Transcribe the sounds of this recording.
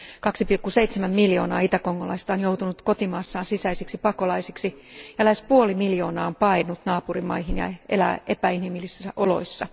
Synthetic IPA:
kɑksipilkːuseit̪semæmːiljo̞ːnɑ̰ːit̪ækoŋːolɑ̰ist̪onjowt̪unut̪kot̪imɑːsːɑːnsisæisiksipɑkolɑisiksijɑlæispuolimiljo̞ːnɑːompɑinut̪nɑːpurimɑ̰ihinjɑ̰ʔelæ̰ʔepæinhimilːisæʔolo̞̰isːɑ

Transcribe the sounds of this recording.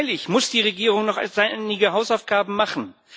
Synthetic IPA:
lɪçmʊsd̥iːʁ̞eɡiːʁ̞ʊŋnɔχanɪɡəɦaʊsaʊfɡ̥aːbm̩maχn̩

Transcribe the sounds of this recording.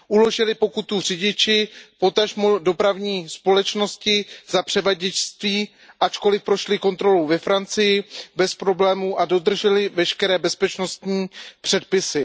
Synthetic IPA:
ʔulo̞ʒɪlɪpo̞kut̪ur̝ɪɟɪt͡ʃɪpo̞t̪aʒmudo̞pɾavɲiːspo̞lɛt͡ʃno̞scɪzapr̥ɛvaɟɛt͡ʃst̪viː | ʔat͡ʃko̞lɪfpɾo̞ʃlɪko̞nt̪ɾo̞lowvɛfɾant͡sɪjɪbɛspɾo̞blɛːmuʔado̞d̪r̩ʒɛlɪvɛʃkɛɾɛːbɛspɛt͡ʃno̞st̪ɲiːpr̝̥ɛt̪̚pɪsɪ

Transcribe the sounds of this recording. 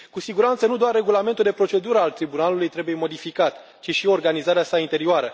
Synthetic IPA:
kusiɡuɾant̪sənud̪oarːe̞ɡulame̞nt̪uld̪e̞pɾo̞t͡ʃe̞d̪uɾəalt̪ɾibunalulujt̪ɾe̞buje̞mo̞d̪ifikat̪ | t͡ʃiʃio̞rɡanizaɾeasaint̪e̞ɾioaɾə

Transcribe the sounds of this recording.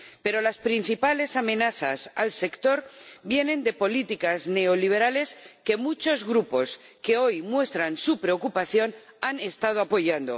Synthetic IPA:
pe̞ɾo̞laspɾin̟θipale̞samẽ̞naθa̰salse̞kt̪o̞ɾbje̞nẽ̞nd̪e̞po̞lit̪ikazne̞oliβ̞e̞ɾale̞ske̞mut͡ʃo̞zɣɾupo̞ske̞o̞jmwe̞st̪ɾansupɾe̞okupaθjo̞nane̞st̪að̞oapo̞ʝand̪o̞̰

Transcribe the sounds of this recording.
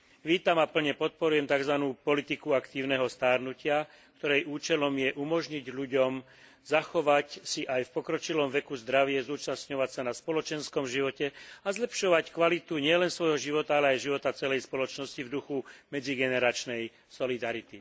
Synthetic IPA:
ʋiːt̪amapl̩ɲɛpɔt̪̚pɔɾujɛmt̪aɡzʋanuːpɔlit̪ikuakt̪iːʊnɛɦɔst̪aːɾnucɪa | kkt̪ɔɾɛjʔuːt͡ʃɛlɔmjɛʔumɔʒɲiɟʎuɟɔm | zaxɔʋacsiʔajfpɔkɾɔt͡ʃilɔmʋɛkuzd̪ɾaʋɪɛzuːt͡ʃasɲɔʋacsanaspɔlɔt͡ʃɛnskɔmʒiʋɔcɛazlɛpʃɔʋackʋalit̪uɲɪɛlɛnsʋɔjɦɔʒiʋɔt̪aalɛajʒiʋɔt̪at͡sɛlɛjspɔlɔt͡ʃnɔscivd̪uxumɛd͡ziɡɛnɛɾat͡ʃnɛj | sɔlid̪aɾit̪i

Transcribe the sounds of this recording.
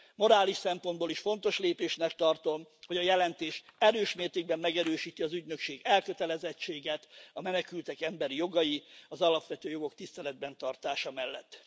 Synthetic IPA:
mo̞ɾaːliʃsɛmpo̞nd̪boːliʃfo̞nt̪o̞ʃleːpeːʃnɛkt̪ɒrt̪o̞mho̞ɟɒjɛlɛnt̪eːʃɛɾøːʃmeːrt̪eːɡbɛmːɛɡɛɾøːʃiːt̪iɒzyɟnø̞kʃeːɡɛlkø̞t̪ɛlɛzɛt͡ʃːeːɡɛt̪ɒmɛnɛkylt̪ɛkɛmbɛɾijo̞ɡɒjiɒzɒlɒpʋɛt̪øːjo̞ɡo̞kt̪ist̪ɛlɛd̪̚bɛnt̪ɒrt̪aːʃɒmɛlːɛt̪ː

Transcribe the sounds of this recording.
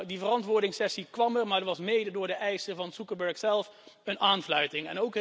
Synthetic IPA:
divərɑntʋʊːɹdɪŋsɛsikʋɑmərmaːɹdəʋɑsmejdədʊːɹdəʔɛjsəvɑnsukəɹbəɹksɛlˠfənaːnflœɥtɪŋɛ̰nowk

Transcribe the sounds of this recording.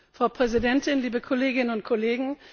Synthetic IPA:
fʁ̥aʊpʁ̥ɛzidɛntɪnliːbəkʰɔleːɡɪnənʊnt̚kʰoleːɡŋ̩

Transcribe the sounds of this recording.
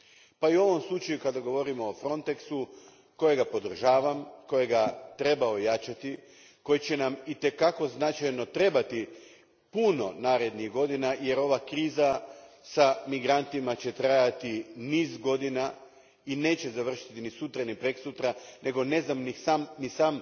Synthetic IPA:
paiuo̞ʋo̞mslˠut͡ʃajukad̪aɡo̞ʋo̞ɾimoːfɾo̞nt̪e̞ksu | ko̞jeɡapo̞d̪r̩ʒaːʋamko̞je̞ɡat̪ɾe̞baojat͡ʃat̪i | ko̞jet͡ɕe̞namit̪e̞kako̞znat͡ʃajno̞t̪ɾe̞bat̪i | puno̞naːɾe̞d̪niɣɡo̞d̪inaje̞ɾo̞ʋakɾiːza | samiɡɾant̪imat͡ɕe̞t̪ɾajat̪iniːzɡo̞d̪ina | ine̞ːt͡ɕezaʋr̩ʃi̥t̪inisut̪ɾanipɾeksut̪ɾanʔe̞ɡo̞ne̞znamnisamnisaːm

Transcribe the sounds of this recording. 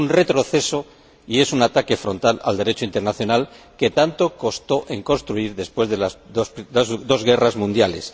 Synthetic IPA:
unre̞t̪ɾo̞θe̞so̞ | ie̞sunat̪ake̞fɾo̞nt̪ala̰ld̪e̞ɾe̞t͡ʃoint̪enaθjo̞nal | ke̞t̪ant̪o̞ko̞st̪o̞ʔe̞ŋko̞nst̪ɾuiɾðe̞spwe̞zðelasood̪o̞zɣe̞razmũnd̪jale̞̰s

